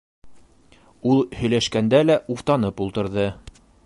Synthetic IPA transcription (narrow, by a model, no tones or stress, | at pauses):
ulˠhɵ̆jlæʃkænd̪ælæʔuft̪ɑnɤpulˠt̪ɤ̆ɾðɤ